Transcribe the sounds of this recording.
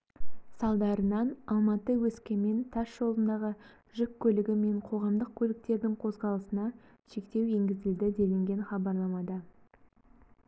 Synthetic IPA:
sɑlˠd̪ɑɾənɑnɑlˠmɑt̪əwɵskʲeme̞nt̪ʰɑsʒ̥o̞lˠənd̪ɑʁə | ʒʏkʲʰːɵlɪɡʲɪme̞ɴqʰo̞ʁɑmd̪əq̚kʲʰɵlɪk̚t̪e̞ɾd̪ɪŋqʰo̞zʁɑlˠəsənɑ | ʃe̞kt̪e̞we̞ŋɡʲɪzɪld̪ɪd̪e̞lɪŋɡʲe̞nχɑbɑɾlˠɑmɑd̪ɑ

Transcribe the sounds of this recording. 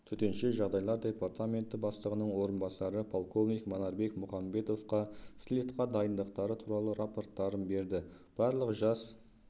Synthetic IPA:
t̪ʰʏt̪e̞nʃeʒɑʁd̪ɑjlˠɑɾd̪ʲe̞part̪amʲe̞nt̪ɪbɑst̪əʁənəɴwo̞ɾənbɑsɑɾəpʰo̞lˠko̞vnijkmonɑɾbe̞kmʊχɑmbe̞t̪o̞fqɑslʲit̪qɑd̪ɑjənd̪əqt̪ɑɾət̪ʰuɾɑlˠəɾapo̞rt̪ːɑɾənbe̞ɾd̪ɪ | b̥ɑɾlˠəqʒɑs

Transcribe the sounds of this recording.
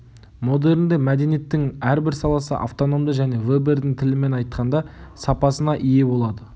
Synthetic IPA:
mo̞d̪e̞ɾɪnd̪e̞mæd̪e̞nije̞t̪ːɪŋæɾbɪɾsɑlˠɑsə̰ʔa̰ft̪o̞no̞md̪əʒæne̞webe̞ɾd̪ɪŋt̪ʰɪlɪme̞nɑjt̪qʰɑnd̪ɑsɑpɑsənɑʔije̞bo̞lˠɑd̪ə

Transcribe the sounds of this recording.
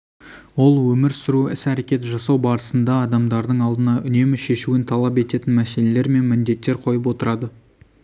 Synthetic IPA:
wo̞lˠwɵmɪɾsʊɾuɪsæɾe̞kʲe̞t̪ʒɑsɑwbɑɾəsənd̪ɑːd̪ɑmd̪ɑɾd̪əɴɑlˠd̪ənɑʔʏne̞mɪʃe̞ʃuɪnt̪ʰɑlˠɑpe̞t̪e̞t̪ɪnmæse̞le̞le̞ɾme̞nmɪnd̪e̞t̪ːe̞ɾqʰo̞jəp̬wo̞t̪əɾɑd̪ə

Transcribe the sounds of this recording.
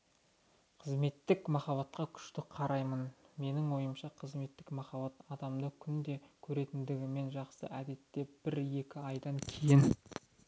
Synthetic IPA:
qʰəzme̞t̪ːɪkmɑχɑβɑt̪̚qɑkʲʰʏ̥ʃt̪ɪqʰɑɾɑjmənme̞nɪŋwo̞jəmʃɑqʰəzme̞t̪ːɪkmɑχɑbɑt̪ɑd̪ɑmd̪əkʲʰʏnd̪e̞kʲʰɵɾe̞t̪ɪnd̪ɪɡʲɪme̞nʒɑqsə̰ʔæd̪e̞t̪ːe̞b̥ɪɾe̞kʲɪɑjd̪ɑŋkʲʰejɪn

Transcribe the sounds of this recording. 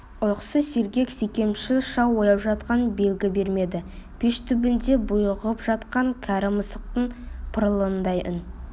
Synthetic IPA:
ʊlˠqsəse̞ɾɡʲe̞ksekʲe̞mʃɪʃɑwojɑpʒɑt̪̚qɑnbe̞lɡʲɪbe̞ɾme̞d̪ɪpʰeʃt̪ʰʏbɪnd̪e̞bʊjəʁəpʒɑt̪qɑŋkʲʰæɾɪməsəq̚t̪əɴpʰəɾəlˠənd̪ɑjʔʏn

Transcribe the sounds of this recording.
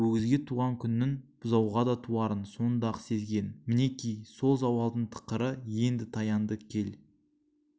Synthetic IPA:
ɵɡʲɪzɡʲe̞t̪ʰuʁɑŋkʲʰʏnːɪŋb̥ʊzɑwʁɑd̪ɑt̪ʰuɑɾənso̞nd̪ɑqse̞zɡʲe̞nmɪne̞kʲijso̞lˠzɑwɑlˠd̪əɴt̪ʰə̥qəɾəje̞nd̪ɪt̪ʰɑjɑnd̪əkʲʰe̞l

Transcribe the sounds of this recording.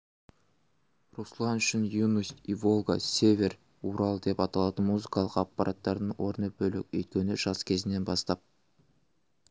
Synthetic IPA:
ruslˠɑnʏʃɪnjunusʲt̪ivo̞lˠɡa̰sʲe̞vʲe̞r | uɾɑlˠd̪e̞pɑt̪ɑlˠɑd̪əmuzɨkɑlˠəqɑpːɑɾʔat̪ːɑɾd̪əɴwʔo̞ɾnəbɵlɪ̰kʲɵ̰jt̪̚kʲe̞nɪʒ̥ɑskʲʰe̞zɪne̞nbɑst̪ɑp̚

